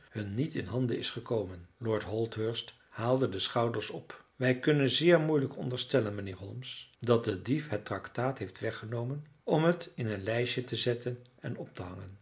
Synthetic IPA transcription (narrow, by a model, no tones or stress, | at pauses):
hɵnːitɪ̰nɦɑndəɪsχəkowmənlɔːɹtɦɔlˠtɦøɹst | haːlˠdədəsχɑwdəɹsɔpʋɛjkɵnənzɪːɹmujləkɔ̰ndəɹstɛlənmənɪːɹɦɔlˠmsdɑt̚dədifɦətrɑktaːtɦejftʋɛχənowmən | ɔmɦətɪnənlɛjʃətəzɛtʰənɛnɔp̚təɦɑŋən